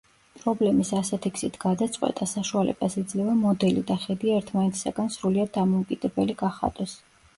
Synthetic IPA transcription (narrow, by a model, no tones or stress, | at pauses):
pʼɾɔblɛmisasɛt̪ʰikʰsit̪ʰɡ̥ad̪at̪sʼqʼwɛ̰t̪ʼasaʃualɛ̰basid̪zlɛvamɔd̪ɛlḭd̪aχɛd̪iaɛɾt̪ʰmanɛt̪sʰsa̰ɡansɾuliad̪̚ːamɔukʼid̪̥ɛbɛliɡaχa̰t̪ʼwɛs